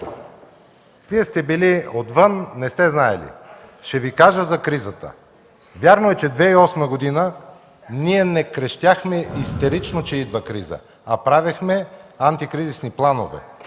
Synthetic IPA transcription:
viɛst̪ɛbiliot̪vənːɛst̪ɛznaɛ̰lḭʃɛvikaʒəzɐkɾizət̪ə̰ | vjaɾnoɛt͡ʃɛd̪vɛiɔsməɡod̪inə | niɛnɛkɾɛʃt̪jaxmɛist̪ɛɾit͡ʃnot͡ʃɛid̪vəkɾizə̰ | ɐpɾavixmɛant̪ikɾizisniplˠano̰vɛ̰

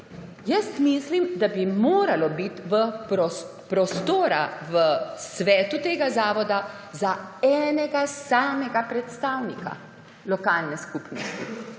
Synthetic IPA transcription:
jəst̪mislimd̪abimoːɾalɔbit̪ʋəɾɔ | pɾɔst̪oːɾaʋəsʋɛːt̪ut̪eːɡazaːʋɔd̪a | zaɛːnɛɡasaːmɛɡapɾɛt̪st̪aːwnika̰ | lɔkaːlnɛskupnɔst̪i

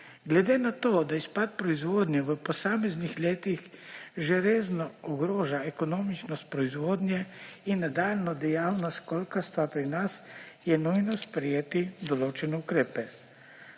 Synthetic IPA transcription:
ɡlɛd̪enat̪oːd̪aispat̪̚pɾɔizʋoːd̪nʲjɛʋəpɔsaːmɛznixleːt̪ixʒeɾeːznɔɔɡɾoːʒaɛkɔnoːmit͡ʃnɔst̪̚pɾɔizʋoːd̪njɛinːad̪aːlnɔd̪ɛjawnaskɔlkast̪ʋapɾinasjɛnujnɔspɾɛjeːt̪id̪ɔloːt͡ʃɛnɛukɾeːpɛ

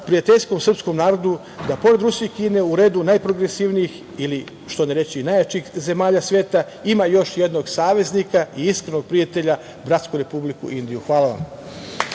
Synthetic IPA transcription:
pɾiat̪e̞ʎʲsko̞msr̩psko̞mnaːɾo̞d̪u | d̪apo̞ɾe̞d̪ɾusiikiːne̞uɾe̞ːd̪unajpɾo̞ɡɾesiʋnijix | ili | ʃt̪o̞neɾe̞t͡ɕiːnajat͡ɕixze̞maːʎasʋe̞ːt̪a | imajo̞ʃje̞d̪no̞ɡsaːʋe̞znikaiiskɾeno̞ɡ̚pɾiat̪e̞ʎa | bɾat̪skuɾe̞publikṵʔind̪ijuxʋaːlˠaʋa̰m

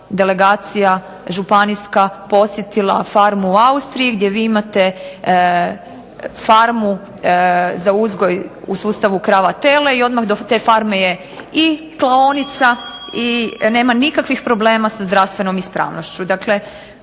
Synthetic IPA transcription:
d̪ele̞ɡaːt̪sija | ʒupaniskapo̞t̪sje̞t̪ilˠa̰faɾmuːaust̪ɾijiɡd̪je̞ʋiːimat̪e̞ | faɾmu | zauzɡo̞jusuːst̪aʋukɾaːʋat̪e̞le̞io̞d̪maxd̪ot̪e̞ːfaɾmeje̞ | i | klˠaonit̪saine̞ːmanikakʋixpɾo̞ble̞ːmasazd̪ɾast̪ʋe̞no̞mispɾa̰ːʋno̞ʃt͡ɕud̪akle̞

